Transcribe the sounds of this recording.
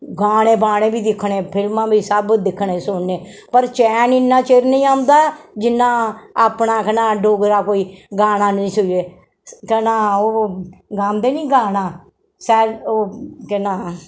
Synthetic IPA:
ɡaːɽ̃ẽːpaːɽ̃ẽːbʱiːd̪ɪkʰːɳẽːpʰɪlmãːbʱiːsəbd̪ɪkʰːɳẽːsʊɳneːpəɾt͡ʃɛːnɪnːãːt͡ʃeːɾnĩːaːmd̪aːd͡ʒɪnːãːaːpɳãːkɛnãːɖoːɡɾaːkoːiːɡaːɽãːnəĩːsʊeː | kɛːnãːoːɡaːmd̪eːnĩːɡaːnãː | sɛːoːkɛːnaː

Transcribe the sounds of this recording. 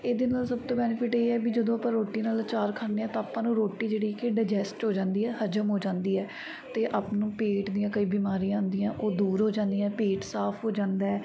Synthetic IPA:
eːd̪eːnaːlsəbt̪õːbɛːnɪpʰɪʈeːɛːbiːd͡ʒəd̪õːapãːɾoːʈːiːnaːlt͡ʃaːɾkʰaːeːɛ̃ːt̪ãaːpːãːnũːɾoːʈːiːd͡ʒeːɽiːkeɖaːd͡ʒɛːsʈɦoːd͡ʒãːnd̪iːɛːhəd͡ʒəmɦoːd͡ʒãːnd̪iːɛː | t̪eːʔaːpnũːpeːʈd̪ijãːkəiːbiːmaːɾijãːʊ̃nd̪ijãːʔoːd̪uːɾɦoːd͡ʒãːnd̪ijãːpeːʈsaːpʰɦoːd͡ʒãːnd̪aːɛː

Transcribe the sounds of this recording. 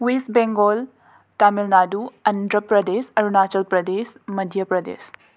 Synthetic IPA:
wisbeŋɡoːl | t̪aːmilnaːd̪uɐnd̪ɾəpɾɐd̪eːsɐɾunaːt͡ʃɐlpɾɐd̪eːsmɐd̪ʱjɐpɾɐd̪ḛːs

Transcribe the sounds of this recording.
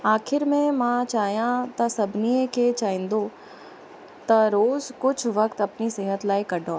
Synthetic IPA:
aːxʰɪɾmẽmãt͡ʃaːɦijãt̪ɐsɐbʱnieket͡ʃaːɦĩːnd̪o | t̪ɐɾoːzkʊt͡ʃʰʋɐkt̪ɐpniseːɦət̪laːikɐɖʱoː

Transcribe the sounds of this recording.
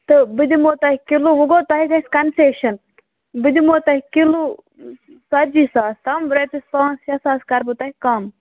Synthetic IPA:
t̪ɨbɨd̪imoːt̪ɐhikiluʋuɡoːt̪ɐɦikɐskɐnseːʃɐn | bɨd̪imoːt̪ɐhikilu | sɐɾd͡ʒisaːst̪ɐmɾet̪isãːnsjɐsaːskɐɾbɨt̪ɐɦikɐːm

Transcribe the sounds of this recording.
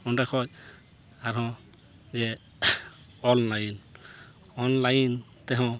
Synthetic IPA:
ɔndakʰɔj | aɾɦɔ̃ | zɛ | ɔnlajn | ɔnlajn | t̪ɛɦɔ̃

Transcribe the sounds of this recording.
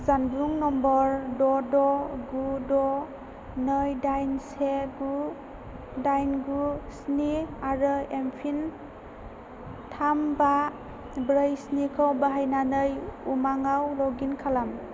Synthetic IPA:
zanbɾuŋnɔmbɔɾdɔdɔɡudɔ | nɯjdajnseɡu | dajnɡusniaɾɯempʰin | tʰamba | bɾɯjsnikʰɔwbaɦajnanɯjumaŋawlɔɡinkʰalam

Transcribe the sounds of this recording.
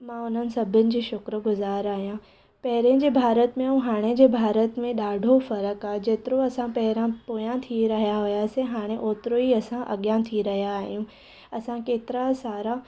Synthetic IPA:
mãʊn̤ənɪ̆sɐbʱənɪ̆d͡ʑiːʃʊkɾəɡʊzaːɾaːɦijã | pɐɦɪɾjənd͡ʑeːbʱaːɾət̪mẽɦũɦaːɽ̃ed͡ʑeːbʱaːɾət̪mẽɗaːɖʱofɐɾəkaːed͡ʑeːt̪ɪɾoɐsãpɐɦɪɾãpoːjãt̪ʰiɾɐɦijaɦʊjasẽɦaːɽ̃eʔoːt̪ɾoiɐsãʔɐ̰ɠjãt̪ʰiɾɐɦijaːɦijũ | ɐsãkeːt̪ɪɾasaːɾa

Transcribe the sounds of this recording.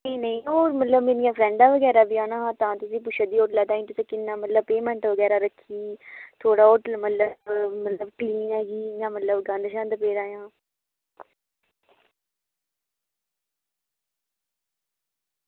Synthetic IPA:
nĩːnəĩːɦoːɾmət̪ləbmẽnijãːpʰɾɛ̃ːɳɖaːʋəɡɛːɾaːbiːaːnãːt̪ãːt̪ʊsĩːp̬ʊʃʰaːd̪iːoːʈlɛːt̪aːĩːʈ̪ʊsẽːkɪnːaːmət̪ləbpeːmɛ̃ːɳʈʋəɡɛːɾaːɾəkʰːiːt̪ʰoːɽaːoːʈəlmət̪ləmət̪ləbkliːnɦɛːɡiːjãːmət̪ləbɡãːnd̪ʃãːnd̪əpeːɾãːjãː

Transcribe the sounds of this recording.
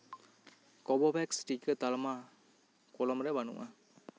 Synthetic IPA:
kobobɛksʈikət̪alɐma | kolomɾeʋɐnṵʋʔa̰

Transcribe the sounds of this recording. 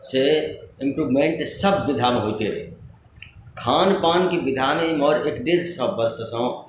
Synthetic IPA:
seɪ̃mpɾuːʋmẽːɳʈsəbːɪd̪ʱamẽɦoːt̪eɾḛ | kʰaːnpaːnkiʋɪd̪ʱaːmemɔːɾeːkɖeɾsəbbəɾsəsɔ̃ː

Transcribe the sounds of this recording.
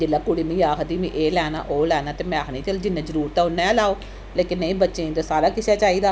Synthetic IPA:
d͡ʒelaːkʊɽiːmĩːaːkʰd̪iːmĩːʔeːlɛːna̰ːʔoːlɛːnaːt̪eːmɛ̃ːaːkʰnĩːt͡ʃəld͡ʒɪnːẽːzəɾuːɾt̪ãːʊnːɛ̃laːoː | leːkɪnːə̃ĩːbətːʃeːt̪aːsaːɾaːkɪsaːt͡ʃaːiːd̪aː

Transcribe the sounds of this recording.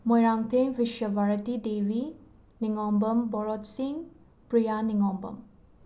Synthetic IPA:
mɔjɾaŋt̪ʰeŋbiʃjɐbʱaɾɐtidewi | niŋɔmbɐmbɔɾɔtsiŋ | pɾijaniŋɔmbɐ̰m

